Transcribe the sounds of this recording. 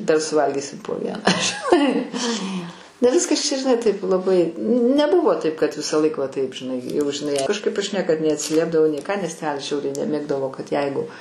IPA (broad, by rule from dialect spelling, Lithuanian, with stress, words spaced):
dɐr sʊˈʋɐlʲɡʲiːsʲɪm poː ˈʋʲiɛnɑː ʒʲɪˈnɐɪ nʲɛ ˈʋʲɪskɐs t͡ʃʲɛ ʒʲɪˈnɐɪ tɐɪp lˠɐˈbɐɪ nʲɛˈbʊʋoː ˈtɐɪp kɐt ʋʲɪsɐˈlˠɐɪk ʋɐ ˈtɐɪp ʒʲɪˈnɐɪ jɛʊ ʒʲɪˈnɐɪ kɐʃˈkɐɪp ɐʃ ˈnʲiɛkɐt nʲɛɐtʲsʲɪˈlʲiɛbdɐʋɐʊ nʲɛɪ kɑː nʲɛs ˈtʲæːlʲɪs ˈʒʲɛʊrʲɛɪ nʲɛˈmʲeːɡdɐʋoː kɐt ˈjɛɪɡʊ